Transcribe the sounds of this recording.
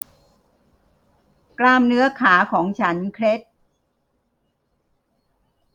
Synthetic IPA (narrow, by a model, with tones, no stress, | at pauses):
klaː˧mnɯ˦˥ɐkʰaː˩˦kʰɔː˩˦ŋt͡ɕʰa˦˥nkʰɾe˦˥t̪̚